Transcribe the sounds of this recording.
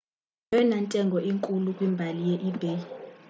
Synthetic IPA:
jɛnantʼɛŋɡʱɔʔiŋkʼulukʼwimbʱalijeʔib̥ʱɛ

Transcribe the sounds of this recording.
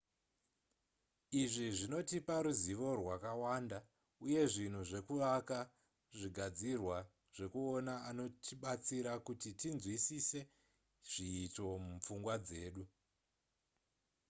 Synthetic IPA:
iʐiʐino̞tipaɾuziʋo̞rwakawanda | uje̞ʐin̤uʐe̞kuʋaka | ʐiɡʱad͡zirwa | ʐ̥e̞kuonaano̞tiɓat͡siɾakutitinzwisise̞ | ʐ̥iːto̞mup͡fuŋɡwad͡ze̞ːɗu

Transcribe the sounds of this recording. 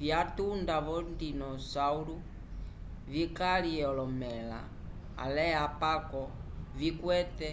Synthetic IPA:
viatundaβɔndinɔsaulu | vikaliɛɔlɔmɛla̰ | a̰lɛapakɔvikwɛtɛ

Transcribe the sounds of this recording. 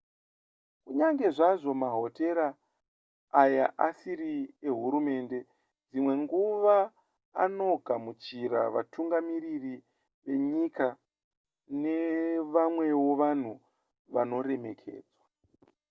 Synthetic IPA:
kuɲaŋɡe̞ʐaʐo̞maɦo̞te̞ɾaː | jaʔasiɾieɦuɾume̞ːnde̞ | d͡zimwe̞ŋɡuʋa | a̰no̞ɡʱamut͡ʃiɾa̰ʋa̰tʰuŋɡamiriri | ʋe̞ɲika | ne̞ʋamwe̞woʋan̤u | ʋano̞re̞mekʰe̞̰ːd͡zwa

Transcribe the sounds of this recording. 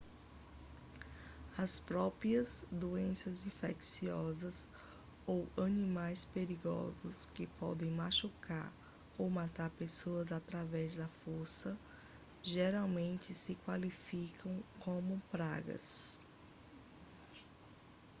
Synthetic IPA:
ɐspɾɔpɾiɐzd̪oẽsɐzĩfḛksiɔzɐz | owɐ̃nĩmajspeɾiɡɔ̰zʊskɪpɔ̰d̪ẽj̃maʃuka̰ɾ | owmat̪aɾpesoɐzat̪ɾavɛzd̪ɐfoɾsɐ | ʒeɾawmẽnt͡ʃɪsɪkwalifikʰɐ̃w̃kõmʊpɾa̰ɡɐ̰s

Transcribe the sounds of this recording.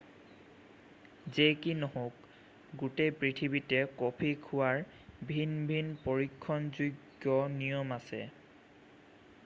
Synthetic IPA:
zekinɔhok̚ | ɡutepɹitʰibitɛkɔpʰikʰʊwaɹ | bʱinbʱinpoɹikʰːɔnzuɡːjɔnijɔmasɛ̰

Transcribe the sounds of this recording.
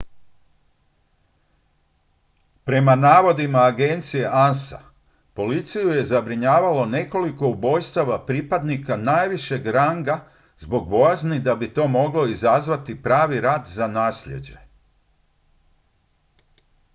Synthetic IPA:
pɾe̞manaːʋo̞d̪imaːɡent̪sije̞ʔansa̰ | po̞lit̪sijuje̞zabɾiɲaːʋalo̞ne̞ko̞liko̞ubo̞jst̪aʋapɾipad̪nikanaːjʋiʃe̞ɡɾaŋɡa | zbo̞ɡ̚bo̞jaznid̪abit̪o̞ːmo̞ɡlo̞izazʋat̪ipɾaːʋiɾaːd̪zanaːsʎe̞̰d͡ʑe̞

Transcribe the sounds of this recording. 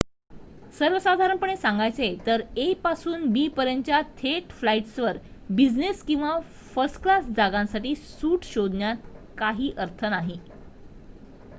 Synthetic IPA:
səɾʋəsad̪ʱaɾəɳpəɳ̃esãŋɡajt͡set̪əɾepasuːnbiːpəɾjənt͡ɕjat̪ʰeʈflaiʈsʋəɾbid͡zneskĩw̃ʋa | fəɾsʈklasd͡zaɡãnsaʈiːsuːʈɕod̪ʱnjat̪̚kaɦiːʔəɾt̪ʰənaɦi

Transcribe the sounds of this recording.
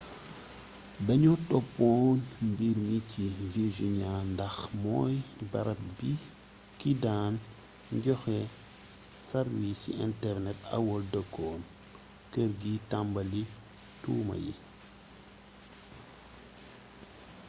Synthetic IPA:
bɛɲɔtɔpːɔːnmbiɾmiciviʒiɲandɐxmɔːjbɐɾɐt̚bi | kidaːn | ɲɟɔxɛ | sɐɾwisḭḭntɛɾnɛtɐ̰wɔldəkːɔːn | kəɾɡitambɐli | tuːmɐ̰jḭ

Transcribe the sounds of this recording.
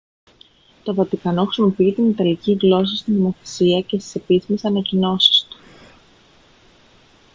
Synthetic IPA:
t̪o̞vɐt̪ikɐno̞xɾisimo̞piit̪init̪ɐliciɣlo̞sɐst̪ino̞mo̞θe̞̥siɐce̞st̪i̥se̞pisimesɐnɐcino̞si̥st̪u̥

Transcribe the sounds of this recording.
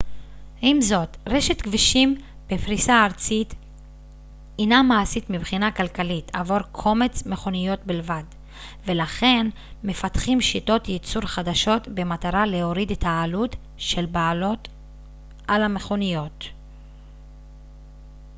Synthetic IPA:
imzo̞tʁeʃetkviʃim | b̥efʁisaːʁt͡sit | inamaːsitmibχinakalkalitʰavo̞ʁkʰo̞me̞t͡sme̞χo̞nijo̞t̪̚bilvad | ve̞laχe̞n | me̞fatχimʃito̞tjet͡suʁχadaʃo̞tbe̞mataʁale̞o̞ʁidetʰaːlut | ʃe̞lbaːlot | ʔalame̞χo̞nijo̞t

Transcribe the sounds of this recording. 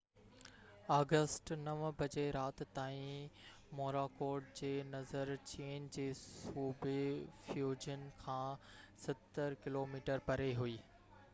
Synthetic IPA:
aːɡəsʈnɐʋbʱɐd͡ʑeɾaːt̪t̪aːĩ | moːɾakoːɾɖ̚d͡ʑeːnɐzəɾt͡ɕeːnd͡ʑeːssuːbefjuːd͡ʑənkʰãːsɐt̪əɾkɪloːmiːʈəɾpɐɾeɦuiː

